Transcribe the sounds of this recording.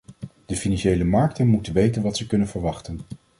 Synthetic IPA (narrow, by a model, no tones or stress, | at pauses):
d̥əfinɑnʃejləmɑɹktənmutənʋejtənʋɑtsəkɵnənvəɹʋɑχtən